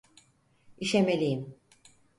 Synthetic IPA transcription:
iʃemelʲijim

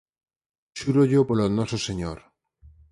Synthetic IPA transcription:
ʃuɾoʎopolonɔsoseɲoɾ

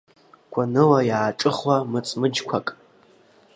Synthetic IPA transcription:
kʷʰanɨwajaːʈ͡ʂʼɨχwamɨt͡sʼmɨd͡ʒkʷʰakʼ

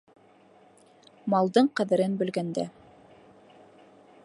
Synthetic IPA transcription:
mɑlˠd̪ɤɴqɑ̆ðɘ̆ɾɘnbɵ̆lɡænd̪æ̰

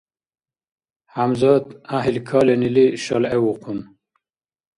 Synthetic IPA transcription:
hamzɑːd̪aɦilkʰɑːleniliʃɐlewuqʰun

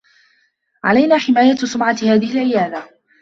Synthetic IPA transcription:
ʕa̰lajnaːħɪmaːjasʊmʕahaːðɪhɪlʕɪjaːd̪a

